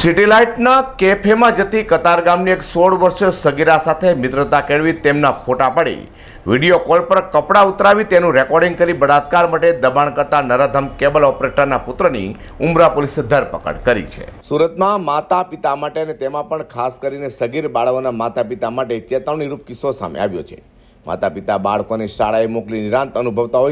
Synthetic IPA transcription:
sɪʈilaiʈnakepʰemãd͡ʒət̪ikət̪aɾɡamnieksoɽʋəɾʃsəɡiɾasat̪ʰemɪt̪ɾət̪akeɽʋit̪emnapʰoʈapəɽḭ | ʋiɽijokolpəɾkəpɽaut̪ɾaʋit̪enũɾɛkɔɾɖĩŋɡ̚kəɾibəɽat̪̚kaɾmaʈed̪əbaɳkəɾt̪anəɾad̪ʱəmkebəlɔpɾeʈəɾnapʊt̪ɾənḭ | ʊmɾapolised̪ʱəɾpəkə̰ɽkəɾḭt͡ʃʰḛsuɾət̪mãmat̪apit̪amaʈeənet̪emãpəɳkʰaskəɾinesəɡiɾbaɽʋonamat̪apit̪amaʈeit̪jat̪əʋɳiɾup̚kɪsosa̰mḛa̰ʋjo̰t͡ʃʰḛ | ma̰t̪apit̪abaɭkoneʃaɽajmokliniɾãnt̪ənubʱəʋt̪aɦoj

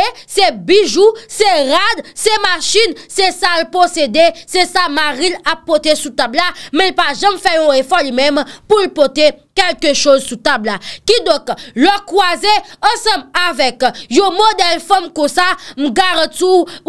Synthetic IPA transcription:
sɛbiʒusɛʁad̪sɛmaʃinsɛsalposed̪esɛsamaʁilapːɔt̪esut̪ablamɛ̃lpaʒãmfɛjɔ̃efɔlimɛ̃mpulpɔt̪ekɛlkəʃozsut̪ablakid̪ɔ̃klɔkwazeɑ̃sɐ̃mavɛkjɔ̃mod̪ɛlfãmkɔ̃sam̩ɡaʁãti

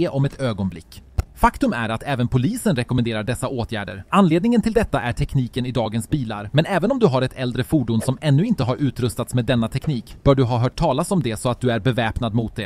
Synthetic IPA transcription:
ʔɔmɛt̪øːɡɔnblɪ̰kːfakt̪ɵmæ̰ɾat̪ʰɛːvənpʰʊliːsənɾɛkɔmɛnd̪eːɾaɖɛsːaʔoːt̪ʰjæ̰ːɖə̰ɾanleːd̪̚nɪŋənt̪ʰɪld̪ɛt̪ːaʔæʈʰɛkniːkənɪd̪ɑːɡənsbiːla̰ɾmɛnɛːvənɔmd̪ɵɦaɾɛt̪ʰɛld̪ɾəfuːɖuːnsɔmɛnːɵɪnt̪əɦaɾʔʉ̟ːt̪ɾɵst̪at̪smeːd̪ːɛnːat̪ʰɛkniːkb̥œːɖɵɦɑːɦœːʈʰːɑːlasɔmd̪ɛsɔat̪̚d̪ɵæɾbɛvɛːpnad̪mʊt̪̚d̪ɛ

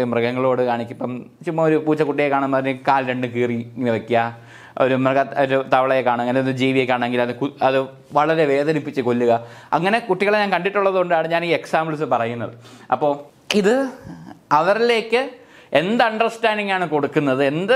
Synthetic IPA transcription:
umrɨɣɐŋːɐɭo̞ːɽɨkaːɳikʲːipːɐmt͡ɕumːɐoɾupuːt͡ɕːɐkuʈːijekːaːɳunmpɐðinɨkaːlɾe̞ɳɖɨkiːriŋːniʋekːɐ | oɾumrɨɡɐoɾut̪ɐʋɐɭɐjekːaːɳɐŋːɐnendɨd͡ʑiːʋijekːaːɳeŋɡilɐðɨkuɐðɨ | ʋɐɭɐɾe̞ʋe̞ːðɐnipːit͡ɕːɨko̞lːuɣɐ | ɐ̰ŋːɐne̞kuʈːiɣɐɭɲaːnkɐɳɖiʈːuɭːɐðuoɳɖɨaːɳɨɲaːniːeksaːmbɭus̬ɨpɐrɐjunːɐðɨɐ̰pːo̞ː | iðɨ | ɐʋɐrile̞ːkːɨ | e̞nd̪ɐɐɳɖɐrsʈaːɳɖiŋɡaːɳɨko̞ɽukːunːɐðɨe̞nd̪ɨ

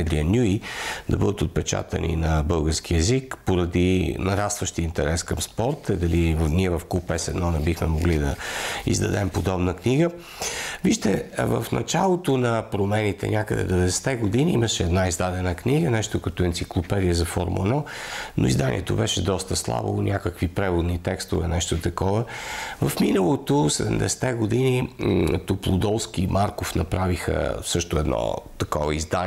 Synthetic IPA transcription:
d̪ɾiənʲuid̪ɐbɤd̪ət̪ot̪̚pɛt͡ʃa̰t̪ə̰nḭnɐbɤlˠɡəɾskiɛzikpoɾɐd̪inɐɾast̪vəʃt̪iint̪ɛɾɛskəmspɔɾt̪əd̪ɐlivniɛvɐfkupɛsɛd̪nɔnɛbixmɛmoɡlid̪ɐḭzd̪ɐ̰d̪ɛmpod̪ɔbnəkniɡə | viʃt̪ɛvə̰fnɐ̰t͡ʃalˠot̪onɐpɾomɛnit̪ɛ̰nʲʔakəd̪ɛ̰d̪ɛvɛd̪st̪ɛɡod̪iniiməʃɛɛd̪naizd̪ad̪ɛnəkniɡənɛʃt̪ʊkɐt̪oɛnt̪siklˠopɛd̪ijəzɐfoɾmɛnɔno̰ḭzd̪anʲḭɛt̪obɛʃɛd̪ɔst̪əslˠa̰bo̰nʲʔakəkvipɾɛvod̪nit̪ɛkst̪ovɛnɛʃt̪ot̪ɐkɔvəvɐfminəlˠot̪osɛd̪ɛmd̪ɛ̰sɛ̥t̪ɛɡod̪init̪oplˠod̪ɔlˠsk̟imʔaɾkofnɐpɾavixə̰sɤʃt̪ʊɛd̪nɔ̰t̪ɐkɔ̰vəizd̪a

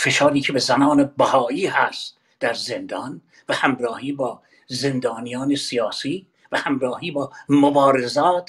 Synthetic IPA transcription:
fe̞ʃɒːɾiːcʰebe̞zænɒːnebæhɒːiːhæst̪ | d̪æɾze̞nd̪ɒn | væhæmrɒːhiːbɒː | ze̞nd̪ɒːnijɒːne̞sijɒːsiː | væhæmɾɒːhiːbɒːmobɒːɾe̞zɒːt̪ʰ

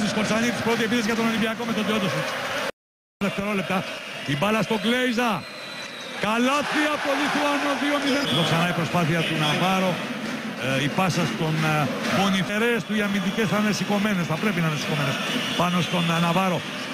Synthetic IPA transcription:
isko̞ɾt͡sɐɲit̪i̥spɾo̞t̪iepiðizʝɐt̪onolibiɐko̞met̪ot̪iot̪osis | ðeft̪eɾole̞p̚t̪ɐt̪ibɐlɐst̪o̞ɡleizɐ | kɐlɐθiɐpo̞liθuɐnoðiomiðeðoksɐnɐipɾo̞spɐθiɐt̪unɐvɐɾo̞ | ipɐsɐst̪on | moniθe̞ɾest̪uʝɐmint̪ice̞sθɐnesiko̞me̞ne̞sθɐpɾe̞p̬inɐnesiko̞menespɐno̞st̪o̞nnɐvɐɾo̞

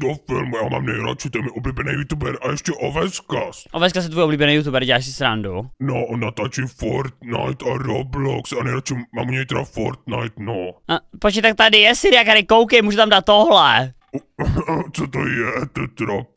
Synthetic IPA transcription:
d̪ofɪ̰lmujama̰ːmnɛjɾa̰t͡ʃit̪ojɛmɪʔobliːbɛnɛjut̪ubɛɾajɛʃcɛʔovɛskasʔovɛskas̬jɛt̪vuːjʔobliːbɛnɛjut̪uːbɛɾɟɛlaːʃsɪsɾandunoʔnat̪aːt͡ʃifoɾt̪̚na̰jt̪aɾoblɔksanɛjɾat͡ʃimaːmuɲɛjt̪ɛɾafo̰ɾt̪najt̪noapɾot͡ʃɲɛt̪ak̚t̪adɪjɛsiɾɪjakaɾɪkowkɛjmuːʒɛt̪amdaːt̪̚ːoɦlɛ | t͡sot̪o̰jɛt̪oɛt̪ɾap

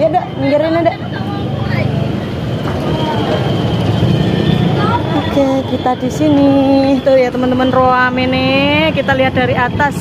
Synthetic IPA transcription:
jadəʔmiŋɡəɾɪnedəʔ | okekit̪adisinit̪ujat̪əmənt̪əmənroamɪnɪkit̪aliɦat̪̚daɾiat̪as

